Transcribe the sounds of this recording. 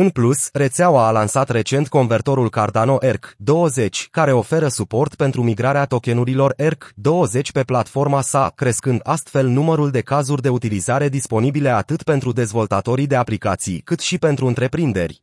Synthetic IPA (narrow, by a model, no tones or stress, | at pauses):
ɨnplusre̞t̪seawaːlansat̪re̞t͡ʃe̞nt̪ko̞nve̞rt̪o̞ɾulkard̪ano̞ʔe̞rkd̪o̞wəze̞t͡ʃʲkaɾe̞o̞fe̞ɾəsupo̞rt̪pe̞nt̪ɾumiɡɾaɾeat̪o̞kʲe̞nuɾilo̞rerkd̪o̞wəze̞t͡ʃʲpe̞plat̪fo̞rmasakɾe̞skɨnd̪ast̪fe̞lnuməɾuld̪e̞kazurʲd̪e̞ut̪ilizaɾe̞d̪ispo̞nibile̞at̪ɨt̪pe̞nt̪ɾud̪e̞zvo̞lt̪at̪o̞ɾid̪e̞aplikat̪sḭjkɨt̪ʃipe̞nt̪ɾuɨnt̪ɾe̞pɾind̪e̞̰rʲ